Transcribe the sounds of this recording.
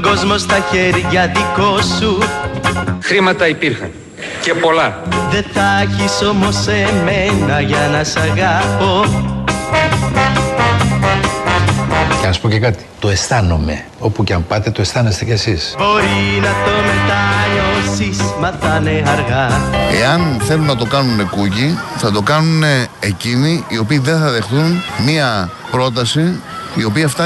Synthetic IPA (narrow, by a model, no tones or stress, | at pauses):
ɡo̞zmo̞st̪ɐçe̞ɾʝɐðiko̞su | xɾimɐt̪ɐipiɾxɐ̰n | ce̞po̞lɐðe̞θɐçiso̞mo̞semenɐʝɐnɐsɐɣɐpo̞ | ceɐspocekɐt̪i̥t̪o̞e̞st̪ɐno̞me̞̰ | o̞puceɐmpɐt̪e̞t̪oe̞st̪ɐne̞st̪ecesisbo̞ɾinɐt̪o̞met̪ɐʎosismɐt̪ɐneɐɾɣɐe̞̰ɐnθe̞lunnːɐt̪o̞kɐnune̞kuciθɐt̪o̞kɐnuneeciniio̞piːðe̞nθɐðe̞xθunmiɐ | pɾo̞t̪̬ɐsiːo̞piɐft̪ɐ